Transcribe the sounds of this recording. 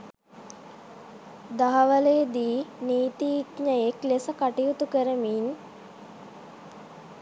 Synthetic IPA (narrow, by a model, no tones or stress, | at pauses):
d̪aɦaʋəlejəd̪iːniːt̪iːkɲəeklesəkaʈijut̪ukəɾəmin